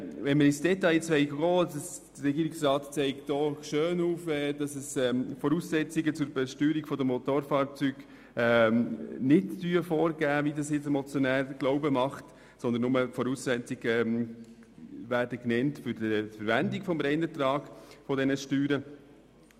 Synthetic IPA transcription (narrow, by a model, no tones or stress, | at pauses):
vɛnməɾɪsd̥ɛtɑjt͡sʋɛɪɡəɡoːsəs | d̥əɾɛɡiːɾɪksrɑːtt͡sɛɪktd̥oːʃøːnuːfɛd̥ɑsəsɛfɔɾuːssɛt͡siɡət͡sʊɾbɛʃtyːɾikfɔd̪əmɔt̪oːɾfɑːɾt͡syːɡ̥ | ɛ | nɪtːyːəfoːɾɡ̥æːvidɑsjɪt͡sɛmɔt͡sjɔnæːɾɡ̥loʊbəmɑχt | sɔnd̪ənːʊməfɔɾuːssɛt͡siɡ̥ɛ | væːɾdəknɛntfʏɾdəfəɾʋændikfɔmɾɛnət̪ɾɑːɡ̥fɔdɛnəʃtyːɾə